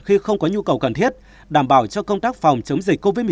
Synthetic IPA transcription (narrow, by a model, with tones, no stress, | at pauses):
xi˧xə˧wŋ͡mkɔ˨˦ɲu˧kə˨˩wkə˨˩nt̪ʰi˦˥ət̚ | ɗaː˧˩mɓaː˧˩wt͡ɕɔ˧kə˧wŋ͡mt̪aː˦˥k̚fa˨˩wŋ͡mt͡ɕə˨˦wŋ͡mzï˨˩k̟̚ko˧vəː˨˦jm˨